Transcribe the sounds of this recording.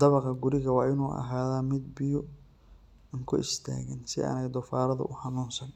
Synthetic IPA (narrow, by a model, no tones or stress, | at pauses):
d̪ɐβɐqɐɡʊɾɪɣɐwɑːʔɪnuːʔɐ̰ɦaːðaːmɪd̪̚bɪjʊ | ŋkʰʊ̰ʔɪst̪ʰa̰ːɣɪnsɪ̰ʔɐ̰ːnɛjd̪ɔfaːɾɐðʊ̰ʔʊħɑnuːnsɐn